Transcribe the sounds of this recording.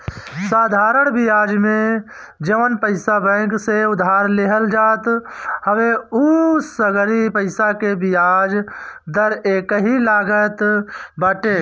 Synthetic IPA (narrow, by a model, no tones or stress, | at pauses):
saːd̪ʱaːɾəɳbijaːd͡ʒmẽ | d͡ʒəʋənpəɪsabə̃kseʊd̪ʱaːɾleɦəld͡ʒaːt̪həʋeusəɡɾipəɪsakebijaːd͡ʒd̪əɾeːkəɦilaːɡət̪bəʈe